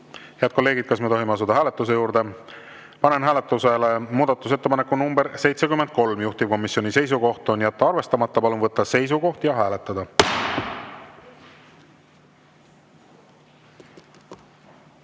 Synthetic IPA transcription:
heæd̪̥̚ko̞lːe̞ːɡid̪̥̚kɑsme̞t̪oɦimeɑsud̪ɑɦæːle̞t̪ːˑus̬e̞juːɾd̪e̞ | pɑne̞nɦæːle̞t̪ːˑuse̞le̞muːd̪̥ɑt̪ːˑus̬e̞t̪ːepɑnekːˑunumbeɾse̞jt̪se̞kymːen̚ko̞lmjuht̪ib̥̚ko̞mːisjo̞nʲise̞js̬uko̞ht̪ˑo̞njæt̪ːɑɑrve̞st̪ɑmɑt̪ːɑpɑlunvɤt̪ˑːɑse̞js̬uko̞ht̪jɑɦæːle̞t̪ːˑɑd̪ɑ

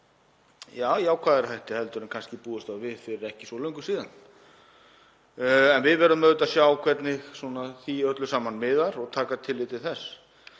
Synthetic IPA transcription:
jaːwjaːwkʰvaːðɛɾθajht̪ɪhɛlt̪ʏɾʏnkʰanscɪpuːðʏst̪awvɪðfɪɾɪɾɛhcɪ̥sɔlœɥŋkʏsiːðan | ɛnvɪðvɛɾʏmːœðʏt̪aðsjawkʰvɛt̪nɪɣsɔnaθiœt̪lʏsaːmanmɪðaɾɔɣt̪ʰaːkat̪ʰɪlːɪt̪ɪθɛsː

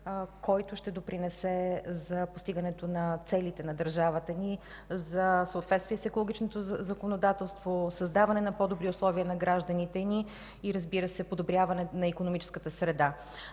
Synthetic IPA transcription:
kɔjt̪ʊʃt̪ɛd̪opɾinɛsɛzɐpost̪iɡənɛt̪onɐt̪sɛlit̪ɛnɐd̪əɾʒavət̪əni | zəsəʊt̪vɛt̪st̪viɛsɛkolˠoɡʲit͡ʃnot̪ozəkonod̪at̪ɛlˠst̪vosɐzd̪avɐnɛnɐpɔd̪obɾiʊslˠɔviənɐɡɾaʒd̪ənit̪ɛni | iɾəzbiɾəsɛpod̪obɾʲjavɐnɛt̪nɐikonomit͡ʃɛ̥skət̪əsɾɛd̪a

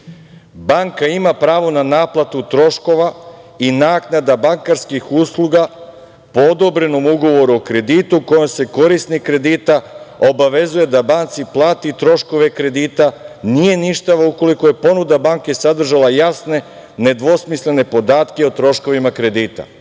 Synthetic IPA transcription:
baŋkaimapɾaːʋo̞nanaːplˠat̪ut̪ɾo̞ʃko̞ʋainaːknad̪abaŋkaɾskixuːslˠuɡa | po̞od̪o̞bɾe̞no̞muɡo̞ʋo̞ɾuokɾe̞d̪iːt̪uko̞jomse̞ko̞ɾisnikɾe̞d̪it̪ao̞baʋe̞zuje̞d̪abant̪siplˠaːt̪it̪ɾo̞ʃko̞ʋe̞kɾe̞d̪iːt̪anije̞niʃt̪aʋauko̞liko̞je̞po̞nud̪abaŋke̞sad̪r̩ʒalˠajasne̞ | ne̞d̪ʋo̞smisle̞ne̞po̞d̪aːt̪keot̪ɾo̞ʃko̞ʋimakɾe̞d̪iːt̪a̰

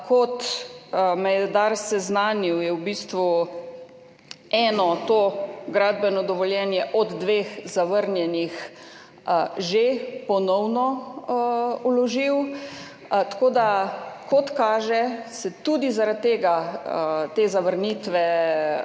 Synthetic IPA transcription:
kɔt̪ | mɛjɛd̪aɾsɛznaːniwjɛwbist̪ʋu | ɛːnɔt̪oɡɾaːd̪bɛnɔd̪ɔʋɔljɛːnjɛʔɔd̪d̪ʋeːxzaʋəɾnjɛnix | ʒepɔnɔwnɔ | ulɔʒiw | t̪koːd̪akʰɔt̪kaːʒɛsɛt̪uːd̪izaɾat̪̚t̪ːeːɡa | t̪eːzaʋəɾniːt̪ʋɛ

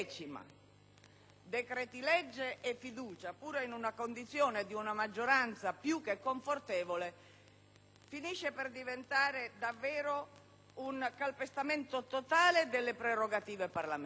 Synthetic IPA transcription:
t͡ʃima̰ | d̪ekɾɛt̪ilɛd͡ʒːeʔːfːid̪uːt͡ʃapuːɾoinunakond̪it̪sjɔːned̪iunamad͡ʒːoɾant̪sapjukːekːoɱfort̪ɛːvole | finiʃːeperd̪ivent̪aːɾed̪avːɛːɾo | uŋkalpest̪ament̪ot̪ot̪aːled̪elːepɾeroɡat̪iːveparlam

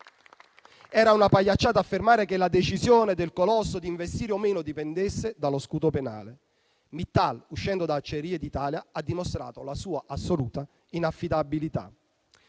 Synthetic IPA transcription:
ɛːɾaunapajːat͡ʃːaːt̪aafːermaːɾekelad̪et͡ʃizjoːned̪elkolɔsːod̪iɱvest̪iːɾeomeːnod̪ipɛnd̪esːed̪aloskuːt̪opena̰ːle | mit̪ːaluʃːɛnd̪od̪at͡ʃːeɾiːed̪it̪aːljaad̪ːimost̪ɾa̰ːt̪olasuːaʔasːoluːt̪a | inafːid̪abilit̪a̰

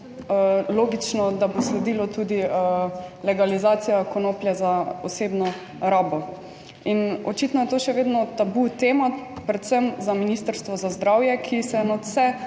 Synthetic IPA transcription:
loːɡit͡ʃnɔd̪aboslɛd̪iːlɔt̪uːd̪i | lɛɡalizaːt̪sijakonoːpljɛzaoseːbnɔ | ɾaːbɔ | inɔt͡ʃit̪nɔjɛt̪oːʃɛʋeːd̪nɔt̪abut̪eːmapɾɛt̪səmzaminist̪əɾst̪ʋɔzazd̪ɾawjɛkʰisɛnɔt̪sɛ

